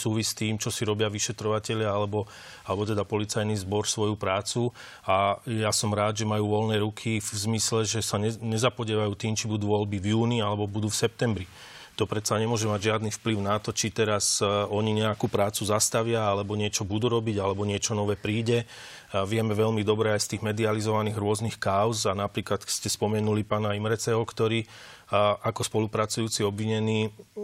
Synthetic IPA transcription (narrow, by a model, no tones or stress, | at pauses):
suːʋist̪iːmt͡ʃɔsiɾɔbɪaʋiʃɛt̪ɾɔʋacɛʎɪaalɛbɔ | alɛbɔt̪ɛd̪apɔlit͡sajnizbɔɾsʋɔjupɾaːt͡su | ajasɔmɾaːd̪ʒɛmajuːʋɔlnɛːɾukʰivzmislɛʒɛsaɲɛɲɛzapɔɟɛːʋajuːt̪iːmt͡ʃibud̪uːʋɔlbivjuːnialɛbɔbud̪uːfsɛp̚t̪ɛmbɾi | t̪ɔpɾɛt̪t͡saɲɛmʊɔʒɛmaɟʒɪad̪nifpliʊnat̪ɔt͡ʃit̪ɛɾasɔɲiɲɛakupɾaːt͡suzast̪aʋɪaalɛbɔɲɪɛt͡ʃɔbud̪uːɾɔbiɟalɛbɔɲɪɛt͡ʃɔnɔʋɛːpɾiːɟɛ | ʋɪɛmɛʋɛʎmid̪ɔbɾɛajst̪iːɣmɛd̪ializɔʋaniːɣɾʊɔznixkaʊzanapɾiːklat̪scɛspɔmɛnulipaːnaimɾɛt͡sɛɦɔkt̪ɔɾiː | ʔakɔspɔlupɾat͡sujuːt͡siɔbʋiɲɛniː